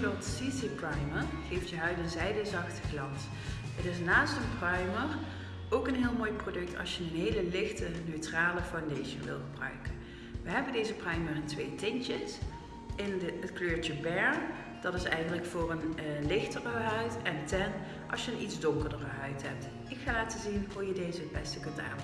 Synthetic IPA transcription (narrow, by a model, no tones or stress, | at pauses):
bolˠtsiziprɑjmərejftjəɦœɥdənzɛjdəzɑxtəχlɑns | ətɪs̬naːstənprɑjmər | owkənɦɪːlˠmoːjprodɵk̚tɑ̰lˠsjəənɦejləlɪxtənøɥtraːləfawndejʃə̰nʋɪ̰lˠχəbrœ̰ɥkən | ʋəɦɛbəndejzəprɑɥmərəntʋejtɪnt͡ʃəs | ɪnəətkløːɹt͡ʃəbɛɹ | d̥ɑtɪsɛ̰jχəntələkfʊːɹənlɪxtərəɦœɥtɛntɛn | ʔɑlˠsjəənʔidzdʊŋkəɹdərəɦœɥtɦɛp̚t | ɪkxaːlaːtəzinɦujədejzəbɛstəkɵnta̰ːn